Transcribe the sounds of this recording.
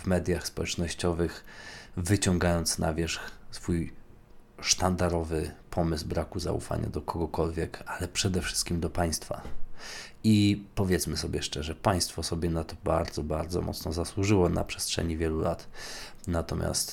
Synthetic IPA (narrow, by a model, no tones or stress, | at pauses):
vmɛd̪ʲjaxspɔwɛt͡ʂnɔɕt͡ɕɔvɘxvɘt͡ɕɔŋɡajɔnt̪snʔa̰vʲjɛʂxsfuj | ʂt̪and̪aɾɔvɘpʰɔmɘzbɾakuza̰ṵfa̰ɲa̰d̪ɔkʰɔɡɔkɔlvʲjɛkalɛpʂɛd̪ɛfʂɘ̥st̪̚kʲimd̪ɔpaj̃st̪fa | ipɔvʲjɛt̪smɘsɔbʲjɛʂt͡ʂɛʐɛpaj̃st̪fɔsɔbʲjɛnat̪ɔbaɾd̪zɔbaɾd̪zɔ̰mʔɔ̰t̪snɔzaswuʐɘwɔna̰pʂɛ̥stʂɛ̰ɲivʲjɛlulʔat̪ | nat̪ɔmʲja̰st̪